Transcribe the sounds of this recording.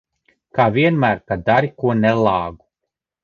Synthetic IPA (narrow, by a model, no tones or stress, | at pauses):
kaːvʲiɛnmæːɾkad̪aɾikuɔnɛlˠɑːɡu